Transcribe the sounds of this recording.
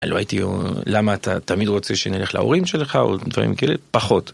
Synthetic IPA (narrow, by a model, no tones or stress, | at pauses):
aloa̰jitio̰lamaːt̪ʰat̪amidʁo̞t͡seʃenile̞χla̰o̞̰ʁimʃelχao̞̰d̪vaʁḭmkaḛlepaχo̞t